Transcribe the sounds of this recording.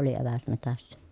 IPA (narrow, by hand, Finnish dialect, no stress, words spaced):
oli eʋæs metæsːæ